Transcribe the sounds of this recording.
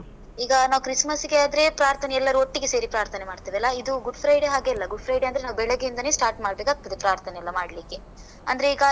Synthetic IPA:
iːɡɐnaːʋukɾismɐsɡead̪ɾe̞pɾaːɾt̪ʰɐnɛɛlːɐɾuoʈːiɡese̞ːɾipɾaːɾt̪ʰɐnemaːɖt̪iːʋɐlːɐid̪uɡuɖpʰɾɐjɖeɦaːɡeɐlːɐɡuɖpʰɾɐjɖeɐnd̪ɐɾenaːʋubɛɭɐɡeind̪ɐneːsʈaːɾʈmaːɖbekaːk̚t̪ɐd̪epɾaːɾt̪ʰɐnɛɐlːɐmaːɽlikːe | ɐ̰nd̪ɐɾe̞iːɡɐ

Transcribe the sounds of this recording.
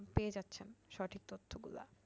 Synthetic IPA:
peed͡ʑatːɕʰenʃɔʈʰik̚t̪ot̪ʰːoɡṵla̰

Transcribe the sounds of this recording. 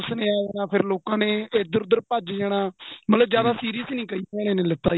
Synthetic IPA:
snẽːaːd͡ʒɛːnãːpʰɪɾloːkãːnẽːɪd̪əɾʊd̪əɾpəd͡ʒd͡ʒɛːɽãːmət̪ləbd͡ʒjaːd̪aːsiːɾijəsnĩːkəiːɛːɽ̃ẽːnẽːlɪt̪ːa̰ː

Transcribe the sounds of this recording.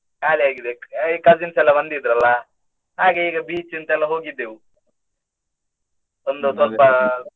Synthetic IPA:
kaːliaːɡid̪eikɐzinsɛlːɐbɐnd̪id̪ɾɐlːɐ | ɦaːɡeiːɡɐbiːt͡ʃint̪ɐɛlːɐɦo̞ːɡid̪ːeːʋu | ond̪ut̪ɐlpɐ

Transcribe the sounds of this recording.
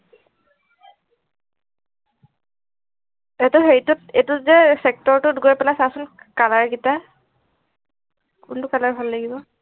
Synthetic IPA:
etʊxeɹitʊt̚etʊzɛsɛk̚tɔɹtʊtɡojpɛlasasʊnkalaɹɡita | kʊntʊkalaɹbʱalːaɡibɔ

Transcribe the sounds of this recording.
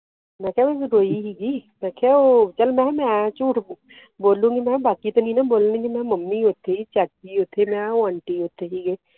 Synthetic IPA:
mɛ̃kʰaeɾoːiɦiɡimɛ̃kʰaot͡ʃɐlmɛ̃mɛ̃t͡ʃuːʈ | boːlũɡimɛ̃baːkit̪onĩnaboːlnũːɡimɛ̃mɐmːiɦoːt̪ʰit͡ʃaːt͡ʃiɦoːt̪ʰemɛ̃wãːɳʈiɦoːt̪ʰeɦiɡi

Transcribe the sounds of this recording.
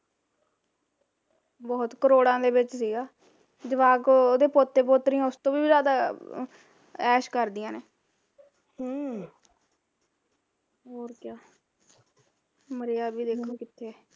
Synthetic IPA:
bɔːt̪kəɾoːɽãːd̪eːʋɪt͡ʃsiːɡaː | d͡ʒ̪ɪʋaːkoːd̪eːpot̪ːeːpoːt̪ɾiːjãːʊst̪õːʋiːbiːzaːd̪aː | ɛːʃkəɾd̪ɪjãːneː | ɦãː | ɦoːɾkjaː | məɾejaːbiːd̪eːkʰoːkɪt̪ʰːeː

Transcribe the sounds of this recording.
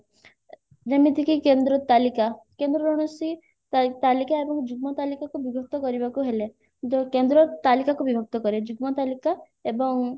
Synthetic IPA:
nemit̪ikikend̪ɾɔt̪alikakend̪ɾɔɾɔɽ̃ɔsi | t̪alikaebɔŋd͡ʒuɡ̚mɔt̪alikakubibʱɔk̚t̪ɔkɔɾibakuɦele | d͡ʒkend̪ɾɔt̪alikakubibʱɔk̚t̪ɔkɔɾed͡ʒuɡmɔt̪alika | ebɔŋ

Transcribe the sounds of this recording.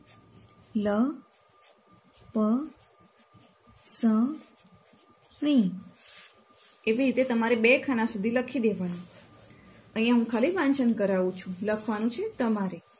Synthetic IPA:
lə | pə | sə̃ | ɦəĩ | eʋiɾit̪et̪əmaɾebekʰañãsud̪ʱiləkʰid̪eʋanũ | əĩjãɦũkʰaliʋant͡ʃənkəɾaʋũt͡ʃʰũləkʰʋanũt͡ʃʰet̪əmaɾe

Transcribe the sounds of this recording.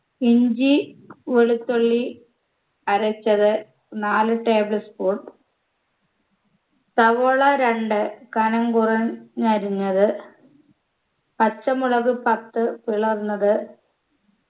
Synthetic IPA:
iɲd͡ʑiʋeɭut̪ːoɭːi | ɐɾɐt͡ɕːɐðɨ | naːlɨʈe̞ːbɭɐspuːʈ | t̪ɐʋoːɭɐɾeɳɖɨkɐnɐŋɡurɐnːɐɾiɲːɐðɨ | pɐt͡ɕːɐmuɭɐɣɨpɐt̪ːɨpiɭɐrnːɐðɨ

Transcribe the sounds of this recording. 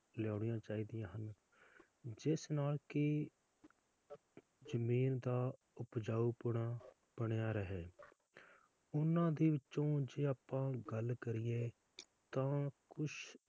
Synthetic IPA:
ljaːɽ̃ɪjãːt͡ʃaːiːd̪ijãːɦən | d͡ʒɪsnaːlkɪ | d͡ʒəmiːnd̪aː | ʊpd͡ʒaːuːpʊɽãː | b̥əɽejaːɾəɦeː | ʊnãːd̪iːʋɪt͡ʃt͡ʃːõːd͡ʒeːaːpːãːɡəlkəɾɪjeː | t̪ãːkʊʃ

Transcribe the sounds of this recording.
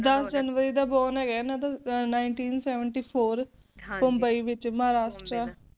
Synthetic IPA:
d̪əsd͡ʒənʋəɾiːd̪aːbɔːnɛːɡɛːnãt̪anaːɪɳʈiːnsɛːʋəɳʈiːpʰoːɾ | pəmbəiːʋɪt͡ʃməɦaːɾaːʃʈɾaː

